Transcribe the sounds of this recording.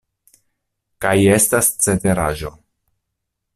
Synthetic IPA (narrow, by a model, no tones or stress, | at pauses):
kaje̞stast͡se̞nteɾaʒo̞